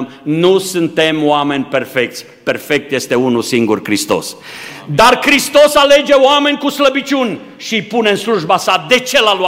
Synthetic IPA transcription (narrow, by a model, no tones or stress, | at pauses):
mnusɨnt̪e̞moame̞nʲpe̞rfek̚t̪sʲ | pe̞rfe̞k̚t̪jest̪e̞unusiŋɡurkɾist̪o̞̰s | d̪arkɾist̪o̞sale̞d͡ʒe̞oame̞nʲkusləbit͡ʃunʲ | ʃijpune̞ɨnsluʒbasad̪e̞t͡ʃe̞lalu